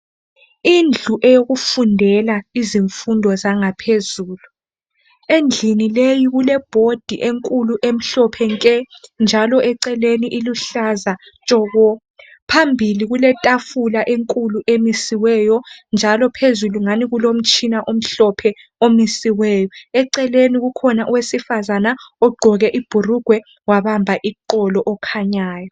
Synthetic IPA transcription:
ind͡ɮʱuʔɛjoɣufundʱɛlaiziɱfundʱɔzaŋapʰezuːlu | end͡ɮʱinilejiɣulɛb̥ʱod̥ʱiʔeŋkʼuluʔem̩ɬɔpʰɛŋkʼɛnd͡ʒʱalɔʔɛǀɛleniʔiluɬazat͡ʃʼɔɣɔ | pʰambʱiliɣulɛtʼafulaʔeŋkʼuluʔemisiwɛjɔnd͡ʒʱalɔpʰezuluŋaniɣulom̩t͡ʃʰʼinaʔom̩ɬɔpʰɛ | omisiwɛːjɔɛǀɛleniɣukʰɔnaʔuwesifazanaɔɡ͡ǃʱɔɣɛʔib̥ʱuruɡ̥ʱwɛ | waβambʱaʔiǃɔlɔʔɔkʰaɲaːjɔ

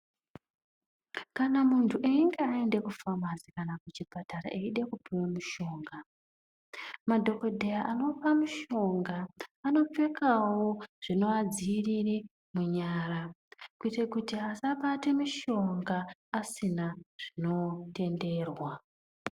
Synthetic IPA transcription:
kanamuntʰuʔeiŋɡeaende̞kufamazikanakut͡ʃipatara̰ʔeiɗe̞kupiwemuʃo̞ːŋɡa | madʱo̞ko̞dʱejaʔano̞pamuʃo̞ŋɡaːno̞p͡fe̞kawoʐ̥ino̞ad͡ziːriri | muɲaːɾakuite̞kutiasaɓatemiʃo̞ŋɡaːsinaʐ̥ino̞te̞nde̞ːrwa

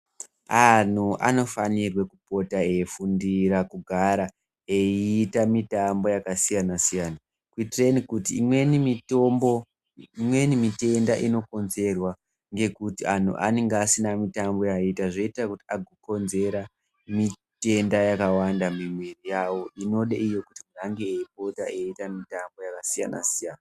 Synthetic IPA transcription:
an̤uʔa̰no̞fanirwekupo̞taefundiɾakuɡʱaɾa | eiːtamitambo̞jakasijanasijana | kuitirenikutiːmwe̞nimitombo | imwe̞nimite̞ndaʔino̞ko̞nze̞rwa | ŋɡe̞kutian̤ṵʔa̰neŋɡaːsinamitambo̞jaitaʐoitrakutiaɡʱoko̞nze̞ɾa | mi | te̞ndajakawandamimwerijawo̞ʔino̞ɗeʔijo̞kutimuaŋɡeːip̚o̞taeitamitambo̞jakasija̰na̰sijaːna

